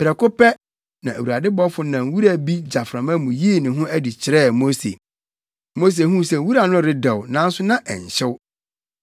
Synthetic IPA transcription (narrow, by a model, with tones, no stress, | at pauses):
pɪ˨ɾɛ˨kʊ˦pɛ˦ | nã˨ʔæ˨wu˨ɾa˨dɪ˦bɔ˦fʊ˦nã˨n˦wu˦ɾa˨bi˦d͡ʑa˨fɾã˨mã˦mũ˨ji˦˨nɪ̃˨ɦʊ̃˦æ˦di˨t͡ɕʰɪ˨ɾɛː˦˨mo˦sḛ˨ | mo˦s̬e˨hũ˦sɛ˨wu˦ɾa˨nʊ̃˦˨ɾɪ˦dɛ˨wnã˦n̩˦sʊ˦nã˦ʔɛ˨ɲ˨ɕɪ˦w